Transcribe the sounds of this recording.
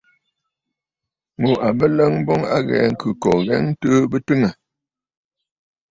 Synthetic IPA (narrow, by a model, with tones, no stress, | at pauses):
mo˨a˨bə˦lə˦ŋ˦bɔ˦ŋa̰˦ɣɛ̰˨˦ŋ̩˦˨kʉ˨kɔ˨ɣɛ˦ŋ̩˦tə˦bə˦tɨ˦ŋə˨